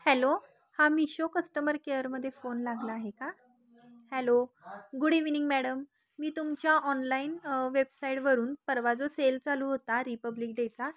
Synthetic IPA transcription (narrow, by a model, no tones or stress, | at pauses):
hælo | hamiɕokəsʈəməɾkeəɾməd̪ʱːjefonlaɡlaːɦeka | hælo | ɡuɽiʋniŋɡmæɽəmː | iːt̪umt͡ɕjaʔɔnlainʋebsaiʈʋəɾuːnpəɾʋad͡zoselt͡saluːɦot̪aɾipəblik̚ɖet͡sa